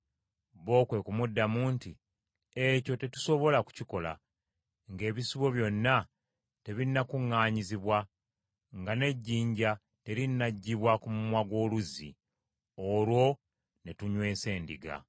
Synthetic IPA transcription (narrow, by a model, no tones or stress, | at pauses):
βo̞ːkwe̞kumudːamuːnti | eco̞te̞tu̥so̞βo̞laku̥ciko̞la̰ | ŋɡe̞ːβisiβo̞βjo̞nːa | te̞βinːakuŋːaːɲiziβwa | ŋɡane̞ɟːiːɲɟa | te̞ɾinːaɟːiβwakumumwaɡwo̞ːluzḭ | olwo̞ | ne̞tuɲwe̞ːse̞ːndḭɡa̰